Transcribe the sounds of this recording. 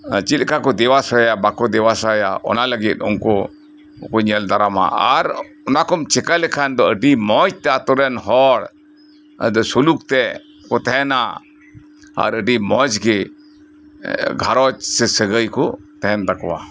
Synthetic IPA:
t͡ʃit̪kakɔd̪ɛwasajabakɔd̪ɛwasaja̰ʔɔ̰naləɡit̪̚ɔnkɔ | kɔɲəld̪aɾama̰a̰ɾ | ɔnakɔmt͡ʃɛkalɛkʰand̪ɔəɖimɔd͡ʒt̪ɛat̪ɔɾɛnɦɔɽ | d̪ɔsulukt̪ɛ | kɔt̪ɛɛna̰ | a̰ɾəɖimɔd͡ʒɡɛ | ɡʱaɾɔt͡ʃsɛsəɡəjkɔt̪ɛɛnd̪akɔwa̰

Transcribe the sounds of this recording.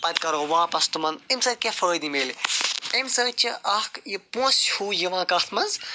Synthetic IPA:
pɐt̪̚kɐɾoːʋãːpɐst̪umɐnemsɐːt̪̚ʲkʲefəːd̪imeliemsəːt̪̚t͡ʃʰiʔɐhkjipũːshuːjiʋãːkɐt̪ʰmɐnz

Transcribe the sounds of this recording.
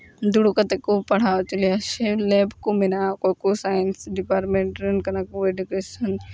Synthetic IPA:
d̪uɽukɐt̪ekopɐɽ̤aːt͡ʃɐliaʃeleːbkominakokosaːjənsɖipaːɾʈmẽɳʈɾənkɐnakueɖukeːsɐn

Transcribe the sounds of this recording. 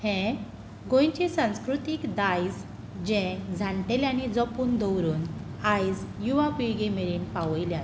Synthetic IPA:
hɛ̃ | ɡõjt͡ɕisãw̃skɾut̪iːkd̪ajd͡z | d͡ʑɛ̃d͡zʱaɳʈelanid͡zɔpuːnd̪ɔwɾuːnajd͡zjuʋapijɡemeɾiːnpaʋəjlja

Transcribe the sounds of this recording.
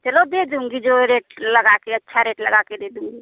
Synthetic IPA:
t̪elod̪ed̪uŋɡid͡ʒoɾeʈləɡakeətːʃʰaɾeʈləɡaked̪ed̪uŋɡi

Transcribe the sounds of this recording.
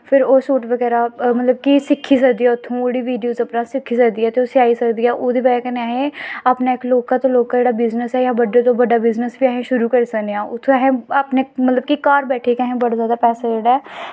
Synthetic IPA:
pʰɪɾoːsuːʈʋəɡɛːɾaːmət̪ləb̚kisɪkʰːiːs̬əkd̪iːɛːʊt̪ʰːõːoːɽiːʋiːɖijoːzəpnãːsɪkʰːiːsəkd̪iːɛːt̪eosɪaːiːsəkd̪iːɛːʔoːd̪iːʋəɡɛːkəneaːɦẽːaːpnaːɪkloːkãːt̪õːloːkãːd͡ʒeːɽaːbɪznəsɛːjãːbəɖːeːt̪õːbəɖaːbɪznəsbiːɛːɦẽːʃʊɾuːkəɾiːsəkd̪eãːʊt̪ʰːõːɦẽːəpneːmət̪ləb̚kikaːɾbɛːʈʰeːkaːɦẽːbəɽaːzjaːd̪aːpɛːsad͡ʒeːɽaɛː

